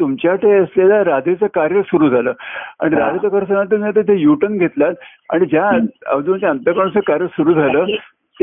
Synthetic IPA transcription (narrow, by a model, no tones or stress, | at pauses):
t̪umt͡ɕjaʈʰeəslalaɾad̪ʱet͡səkaɾjəsuɾuːd͡zʱaləːa̰ɽ̃iɾad͡z̪ʱet͡səkəɾsənat̪̬iat̪et̪ʰejuʈənɡʱet̪lat̪ | a̰ɽ̃id͡ʑjaə̰ʋd͡z̪unt͡ɕaaənt̪əkəɳsəkaɾjəsuɾuːd͡zʱaləː | t̪